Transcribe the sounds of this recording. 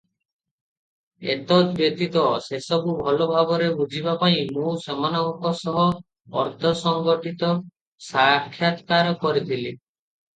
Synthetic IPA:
ḛt̪ɔt̪bjet̪it̪ɔsesɔbubʱɔlobʱaɡɔɾebud͡ʒʱibapaĩmũsemanɔmɔkɔsɔɦɔ | ɔ̰ɾt̪ʰɔsɔŋɡɔʈit̪ɔ | sakʰːjat̪kaɾɔkɔɾit̪ʰili

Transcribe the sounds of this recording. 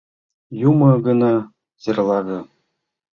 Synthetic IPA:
jumɤ̆ɡɤ̆nɑ | zĕrlˠɑɡɤ̆

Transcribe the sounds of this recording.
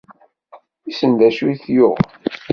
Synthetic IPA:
isənd̪æʃuiθjʊʁ

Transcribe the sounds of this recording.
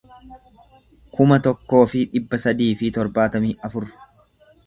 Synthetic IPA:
kʊmɐt̪ɔkːo̞ːfɪᶑɪbːɐsɐd̪iːfɪt̪ɔɾbaːt̪ɐmiːɐfʊɾ

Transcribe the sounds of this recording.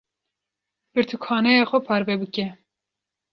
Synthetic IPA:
b̥ɨɾt̪ʰukʰɑːnɛjɑːxʷɛpʰɑːɾvɛbɨkɛ

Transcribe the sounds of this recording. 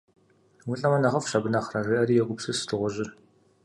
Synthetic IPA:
wʊɬʼɐmɐnɐʁɐfʃɐbɨnɐχrɐriʔɐɾiːjɛɡʷʊpsɨsɨ̥tʰɨʁʷʊʑɪr

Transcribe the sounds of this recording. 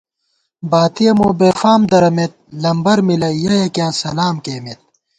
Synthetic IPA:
baːt̪ijɐmoːbeːfaːmd̪ɐɾɐmet̪̚lɐmbɐɾmilɐjɐɦekjãːsɐlaːmkeːmet̪̚

